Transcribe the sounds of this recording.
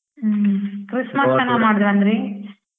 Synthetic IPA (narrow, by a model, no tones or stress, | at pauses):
kɾɪsmɐsɐnaːmaːɽɯðʋɐnd̪ɾi